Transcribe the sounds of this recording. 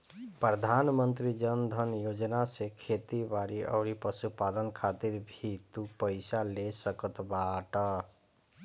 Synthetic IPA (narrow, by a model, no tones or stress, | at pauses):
pɾəd̪ʱaːnmənt̪ɾid͡ʒənd̪ʱənjod͡ʒnasekʰet̪ibaɾiʔə̰ːɾipəsupad̪ənkʰat̪iɾbʱit̪upəɪsalesəkət̪baʈə